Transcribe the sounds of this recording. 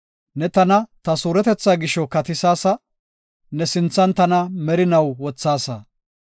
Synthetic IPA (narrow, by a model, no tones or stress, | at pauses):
nɛt̪ɐnɐt̪ɐsuːɾɛt̪ɛt͡sːaːɡɪʃɔkɐt̪ɪsaːsɐ | nɛsɪnt͡sːɐnt̪ɐnɐmɛɾɪnɐwwɔt͡sːaːsɐ̰